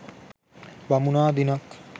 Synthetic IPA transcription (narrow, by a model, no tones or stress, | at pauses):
bɐmunaːd̪inak